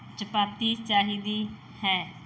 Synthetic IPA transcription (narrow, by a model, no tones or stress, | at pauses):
t͡ʃəpaːp̚t̪iːt͡ʃaːɦiːd̪iː | hɛː